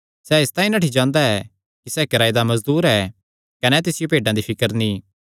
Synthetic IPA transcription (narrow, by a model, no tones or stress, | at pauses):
sɛɪst̪aːĩnaːʈʰid͡ʒãːnd̪aɛ | kisɛːkɐɾaːid̪amɐzd̪uːɾɛ | kɐnɛt̪ɪsɪjopeːɖãd̪ipʰɪkəɾnĩ